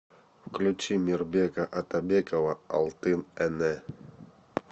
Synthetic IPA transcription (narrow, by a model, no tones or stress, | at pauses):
fklʲut͡ɕimʲirbʲekɐʔɐt̪ɐbʲekəvɐɐ̰lˠt̪ɨnɛnɛ